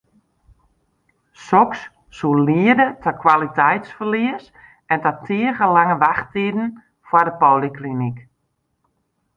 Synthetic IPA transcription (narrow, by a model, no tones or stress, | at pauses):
sɔks | suliədətʰɔkʰwalitɛjtsfərliəs | ɛntɔtʰiəɣəlaŋəʋaxtidn̩ | fwɔdəpoːliklinik